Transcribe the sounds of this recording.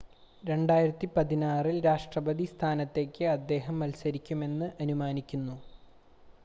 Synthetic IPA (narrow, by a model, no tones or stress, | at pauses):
ɾe̞ɳɖaːjiɾɐt̪ːipɐðinaːrilɾaːʂʈrɐbɐd̪ist̪ʰaːnɐt̪ːe̞ːkʲːɨɐd̪ːe̞ːɦɐmʋɐlsɐɾikʲːume̞nːɨʔɐnumaːnikʲːunːu